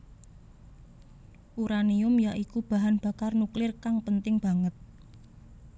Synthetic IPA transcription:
ʔuɾaniʊmjaʔikub̥a̤ɦanb̥a̤karnuklɪrkaŋpənt̪ɪŋb̥a̤ŋət̪̚

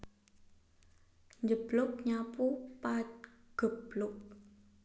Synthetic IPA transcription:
ɲd͡ʒəb̥lʊʔ̚ɲapupat̪ɡ̥əb̥lʊk̚

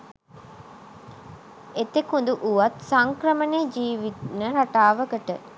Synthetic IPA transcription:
et̪ekund̪uʔuʋat̪saŋkɾəməneːd͡ʒiːʋit̪nəɾaʈaːʋəkəʈə̰

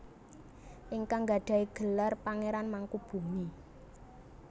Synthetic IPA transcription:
ʔɪŋkaŋɡa̤ɖ̥a̤iɡ̥ə̤larpaŋeɾanmaŋkub̥ṳŋi

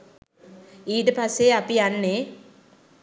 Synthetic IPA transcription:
iːʈ̬ɐpɐsːeɐpianːe

